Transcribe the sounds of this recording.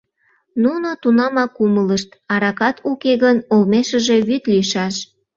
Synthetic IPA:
nunot̪unɑmɑkumələʃt̪ɑɾɑkɑt̪ukeɣənolmeʃəʒe̽βyt̪liʃɑʃ

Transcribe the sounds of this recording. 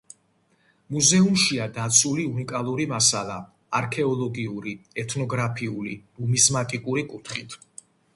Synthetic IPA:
muzɛumʃiad̪at̪sʰuliunikʼalˠuɾimasalˠa | aɾkʰɛɔlˠɔɡiuɾiɛt̪ʰnɔɡɾapʰiulḭbumizmat̪ʼikʼuɾikʼut̪ʰχit̪ʰ

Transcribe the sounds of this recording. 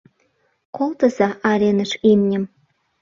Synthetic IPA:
kolt̪ə̆zɑʔɑɾʲenəʃimnʲə̆m

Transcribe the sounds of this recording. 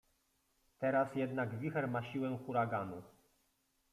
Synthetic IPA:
t̪ɛɾasjɛd̪naɡvʲixɛɾmaɕiwɛ̃xuɾaɡanu

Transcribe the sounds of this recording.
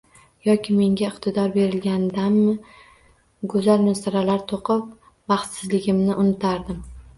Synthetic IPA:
jɒkʲʰɪme̞ŋɡʲaɪqt̪ʰɪd̪ɒɾbe̞ɾɪlɡʲand̪anːɪ | ɡʊzalmɪnst̪aɾalaɾt̪ʰoqʰɨp̚ | bɑχt̪sɪzlɪɡʲɪmnɪʔʊnɪt̪ʰaɾd̪ɪm

